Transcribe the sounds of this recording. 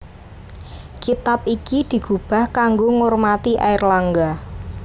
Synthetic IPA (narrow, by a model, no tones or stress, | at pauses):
kit̪ap̚ikid̪̥i̤ɡ̥ub̥a̤hkaŋɡoŋormat̪iʔa̰ɪrlaŋɡa